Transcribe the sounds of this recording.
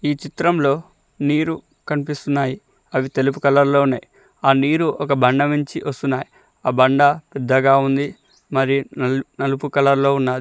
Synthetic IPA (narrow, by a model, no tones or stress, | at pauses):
iːt͡ʃit̪ɾɐmlo̞ː | niːɾu | kɐnipist̪unːaːji | ɐʋit̪e̞lup̬ukɐlɐɾlo̞ːunːaːji | aːniːɾuʔɔkɐbɐɳɖɐmiɲt͡ʃiʋɐst̪unːaːji | aːbɐɳɖɐpɛd̪ːɐɡaːund̪i | mɐɾinɐnɐlupukɐlɐɾlo̞ːunːaːd̪i